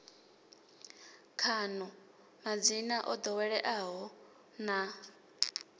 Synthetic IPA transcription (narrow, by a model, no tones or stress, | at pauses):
kʰanɔ | mad͡zinaʔɔd̪ɔwɛɺɛʔaɦɔ | na